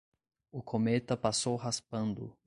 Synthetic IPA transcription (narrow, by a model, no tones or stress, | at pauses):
ʊkʰomet̪ɐpasowɦaspɐ̃nd̪ʊ̰